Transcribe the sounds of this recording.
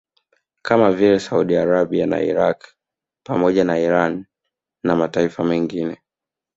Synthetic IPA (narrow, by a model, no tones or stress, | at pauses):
kamavilɛsauɗiaɾaɓiana̰ḭɾak | pamɔʄanaiɾanː | amataifamɛŋɡinɛ